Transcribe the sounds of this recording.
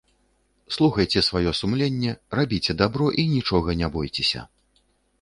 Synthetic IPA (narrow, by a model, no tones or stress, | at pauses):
slˠuxɐjt͡sʲɛsvajɔsumlʲenʲːɛrabʲit͡sʲɛd̪abɾɔʔinʲit͡ʂɔɣɐnʲabɔjt͡sʲɛsʲɐ̰